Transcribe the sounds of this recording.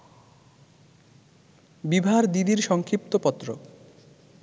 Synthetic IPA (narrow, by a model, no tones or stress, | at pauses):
bibʱaɾd̪id̪iɾʃɔŋkʰɾip̚t̪opɔt̪ːɾo̰